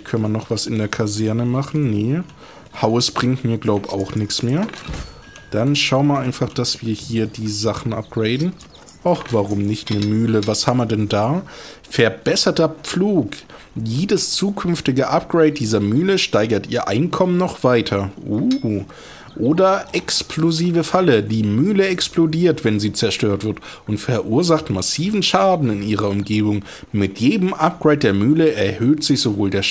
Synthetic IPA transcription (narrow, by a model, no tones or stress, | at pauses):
kʰœnmanɔχv̥asɪndeːɐkʰazɛɐnəmaχn̩nə | haʊsb̥ʁɪŋtmiːɐɡlaʊbəa̰ʊxnɪçt͡smeːɐ | d̥anʃaʊnmaɐʔaɪnfaχd̥asv̥iːɐhiːɐdiːzaχn̩ʔa̰p̚ɡ̥ʁeɪdn̩ | ʔaχv̥aʁʊmnɪçtnəmyːləvashaːbm̩viɐdɛndaːfɛɐbɛsɐtɐp͡fluːk | jeːdəst͡suːkʰʏnftɪɡəʔap̚ɡ̥ʁeɪt̚d̥iːzɐmyːləʃtaɪɡɐtʔiːɐʔa̰ɪnkʰɔmənːɔχv̥aɪtʰɐʔuː | ʔoːdɐʔɛkspʰloziːvəfalədiːmyːləɛksplodiːɐtv̥ɛnziːt͡sɛɐʃtøːɐtv̥ɪɐt | ʔʊntfɛɐʔuːɐzaχtmasiːvn̩ʃaːdn̩ɪniːʁɐʊmɡeːbʊŋ | mɪtjeːdəmʔap̚ɡ̥ʁeɪt̚d̥eːɐmyːləɛɐhøːtz̥ɪçz̥ovoːldeːɐ